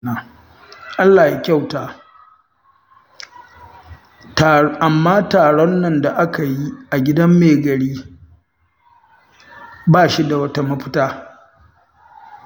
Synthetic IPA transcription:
a˨ | ʔa˦lːaː˨ja˦kʲa˦˨wtaː˦˨ | ʔa˨mːaː˦taː˨ɽɔ˦nːɐ˨nda˨ʔa˦ka˨ji˦ʔa˨ɡʲɪ˦dɐ˦mːeː˨ɡɐ˨ɽiː˦ | baː˦˨ʃi˦da˨wɐ˦ta˦mɐ˦ɸʊ̥˦taː˦

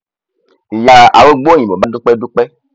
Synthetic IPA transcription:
ja˨a̰˨wo˦ɡ͡bo˦ɲĩ˨bɔ˨ba˦do˦k͡pɛ˦du˦k͡pɛ˦

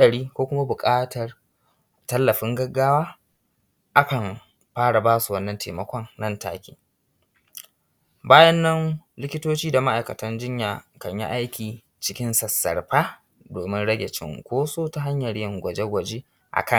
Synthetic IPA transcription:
ɗɐ˨ɽiː˦kʷoː˦kʷʊ˦ma˦bʊ˨kʼaː˦tɐ˨r | tɐ˦lːɐ˨ɸɪ˦ŋɡɐ˦ɡːaː˦waː˦ | ʔa˦kɐ˨m | ɸaː˦ɽa˨baː˦su˨wɐ˦nːɐ˨ntʰeː˨mɐ˨kʷɔ˦ŋnɐ˦˨nta̰ː˦kʲḭː˦ | baː˦jɐ˦nːɐ˦nlɪ˦kʲɪ˦toː˦t͡ʃiː˦da˨ma˦ʔa˨jkɐ˨tɐ˦nd͡ʒɪ˦ɲjaː˨kɐ˨ɲjḭ˦ʔa˦jkʲiː˨ | t͡ʃɪ˦kʲɪ˦nsɐ˨sːɐ̰˨rɸaː˦ | doː˨mɪ˦nɽɐ˦ɡʲe˨t͡ʃɪ̰˦ŋkʷoː˦soː˦ta˦ɦa˦ɲjɐ˨ɽjɪ˦˨ŋɡʷɐ˨d͡ʒe˦ɡʷɐ˨d͡ʒeː˦ | ʔa̰˨kʰɐ˦˨

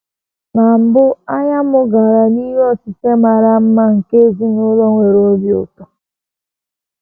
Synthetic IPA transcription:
na˨m̩˨bʊ˦a˦ɲa˦mʊ˦ɡa˨ɾa˨ni˦ɾɔ˦si˨se˦ma˨ɾa˨m̩˦ma˦ŋ̩˨ke˦zi˦nʊ˦lɔ˦ŋʷe˨ɾo˦bjʊ̰˨ka˨

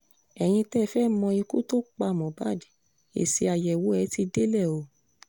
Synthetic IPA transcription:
ɛ˨j̃ĩ˧tɛ˦˨fɛ˦mɔ̃˧i˧ku˦to˦k͡pa˧˨mɔ̃˨ba˦˨di˨˦ | ḛ˨si˧a˧˨jɛ˨wo˨˦ɛ˧˦ti˧de˦lɛ˦˨o˨

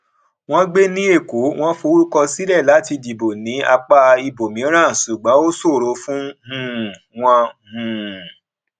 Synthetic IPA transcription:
w̃ɔ̃˦ɡ͡be˦nĩ˦e˦˨ku˨˦w̃ɔ̃˦fo˧wu˦kɔ˧si˦ɾɛ˦˨la˨˦ti˧di˨bo˨nĩ˨˦a˧k͡pa˦˧i˧bo˨mĩ˨˦ɾ̃ã˦˨su˨ɡ͡bɔ̃˨˦o˦so˦˨ɾo˧˦fũ˦hũ˨w̃ɔ̃˧hũ˨

